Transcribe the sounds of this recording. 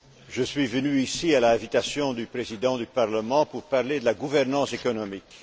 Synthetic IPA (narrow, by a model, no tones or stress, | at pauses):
ʒəsɥivənyisialaɛ̃vit̪asjɔ̃d̪ypχezid̪ɑ̃d̪ypaʁləmɑ̃puʁpaʁled̪əlaɡuvɛʁnɑ̃sekɔnɔmik